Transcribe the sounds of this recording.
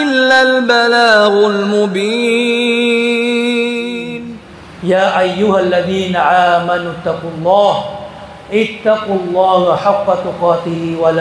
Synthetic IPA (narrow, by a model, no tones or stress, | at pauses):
ʔɪlːalbalaːɣʊlmʊbiː | n | jaːʔajːʊhalːaðiːnaʕaːmanʊt̪ːɑqʊlˤːɑːh | ʔɪt̪ːɑqʊlˤːɑːhaħɑqːɑt̪ʊqɑːt̪ɪhɪwala